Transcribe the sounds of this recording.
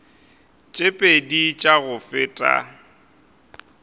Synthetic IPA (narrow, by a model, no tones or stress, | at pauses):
t͡ʃʼepʼedit͡ʃʼaɣʊfɪːtʼa̰